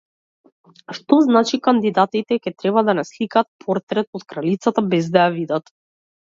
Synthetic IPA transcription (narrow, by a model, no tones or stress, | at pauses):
ʃt̪ɔznat͡ʃikand̪id̪at̪it̪ɛkʲɛt̪ɾɛβad̪anɛslikaːt̪̚pʰɔɾt̪ɾɛt̪̚ot̪kɾalit̪sat̪abɛzd̪ajavid̪at̪